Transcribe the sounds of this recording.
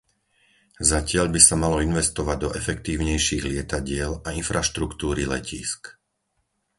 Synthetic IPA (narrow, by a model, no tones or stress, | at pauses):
zacɪaʎbisamalɔinʋɛst̪ɔʋaɟd̪ɔʔɛfɛkt̪iːʊɲɛjʃiːɣlɪɛt̪aɟɪɛlainfɾaʃt̪ɾukt̪uːɾilɛcḭːsk